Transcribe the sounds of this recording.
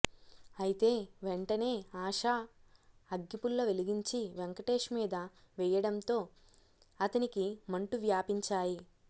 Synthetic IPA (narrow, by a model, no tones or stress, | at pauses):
ɐjit̪e̞ːʋeɳʈɐne̞ːaːʂaː | ɐɡːipulːɐʋe̞liɡiɲt͡ʃiʋeŋkɐʈe̞ːʂmiːd̪ɐ | ʋɛjɐɽɐnt̪o̞ː | ɐt̪ɐnikimɐɳʈuʋjaːpiɲt͡ʃaːji